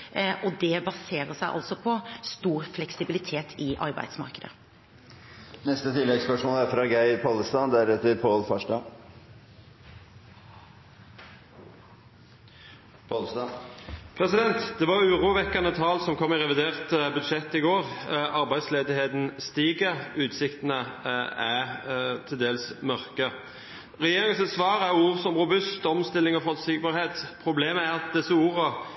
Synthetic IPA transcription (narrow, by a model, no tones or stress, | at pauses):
ʔɔd̪ɛbɑseːɾəsæɪʔɑ̰lsɔpʰɔst̪uːɾflɛksɪbɪlɪt̪ʰeːt̪ʰɪʔɑ̰ɾbæ̰ɪd̪smɑ̰ɾkəd̪ə̰ | nɛst̪ət̪ʰɪlːɛɡspœʂmoːlæɾfɾɑːɡæɪpʰɑləst̪ɑd̪æɾɛt̪ːəɾpʰoːlfɑʂʈɑ | pʰɔlst̪ɑpʰʁɛsɪd̪ɛnt̪d̪ɛʋɑʁʉːʁuːʋɛkːɑnət̪ʰɑːlsɔmkʰɔmːɪʁɛʋɪd̪eːʁt̪əbʉd̪ʃɛt̪ːɪɡoːʁɑʁbæɪd̪sleːd̪ɪheːt̪n̩st̪iːɡəʉːt̪sɪkt̪ənəæt̪ʰɪld̪eːlsmœʁkə | ʁɛjeːʁɪŋənsɛt̪sʋɑːʁəæʁuːʁsɔmʁʊbʉst̪ɔmst̪ɪlːɪŋɔfɔlsɪkbɑʁheːt̪pʰʁʊbleːməæʁɑt̪̚d̪ɛsːəuːʁə